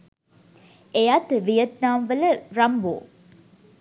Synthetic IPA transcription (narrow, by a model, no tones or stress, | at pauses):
ejat̪ʋijɐt̪naːmʋələɾɐmbo̰ː